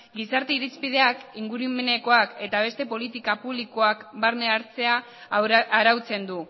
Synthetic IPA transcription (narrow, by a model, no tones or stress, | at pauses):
ɡisaɾt̪eiɾispið̞e̞akiŋɡuɾumene̞ko̞ake̞t̪aβ̞e̞st̪e̞po̞lit̪ikapuβliko̞akbaɾne̞aɾt͡se̞aː | ɾawt͡se̞nd̪u